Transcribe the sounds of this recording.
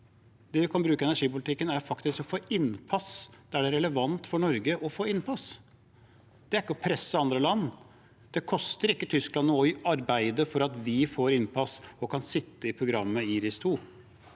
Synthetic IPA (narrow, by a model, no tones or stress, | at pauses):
d̪ɛʋɪkʰɑnbɾʉːkəɛnæʂiːpʊlɪt̪ʰɪkːənæɾfɑkt̪ɪskɔfoːʔɪnpʰɑsd̪̥ɛæɖɛɾɛləʋɑnt̪fɔɳɔɾɡəʔɔfoːɪnpʰɑs | d̪̥ɛæɾɪkːəɔpʰɾɛsːəɑnd̪ɾəlɑnː | d̪̥ɛkʰɔst̪əɾɪkːət̪ʰʏsklɑnɔɔɑɾbæɪd̪əfɔɾɑt̪ʋɪfoːɾɪnpʰɑsɔkʰɑnsɪt̪ːəɪpʰɾʊɡɾɑmːəiːɾɪst̪ʰuː